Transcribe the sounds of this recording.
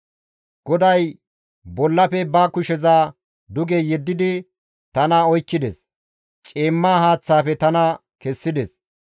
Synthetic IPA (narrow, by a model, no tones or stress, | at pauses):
ɡ̥ɔd̪ɐj | bɔlːɐpɛbaːkʊʃɛzaː | d̪ʊɡɛjɛd̪ːɪd̪ɪ | t̪ɐnɐɔjkːɪd̪ɛs | t͡ʃʼeːmːaːhaːt͡sːaːpɛt̪ɐnɐ | kɛsːɪd̪ɛs